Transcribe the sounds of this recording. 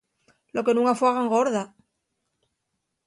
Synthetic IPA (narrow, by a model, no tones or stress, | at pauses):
lo̞ke̞nũŋkafwaɣaŋɡo̞ɾða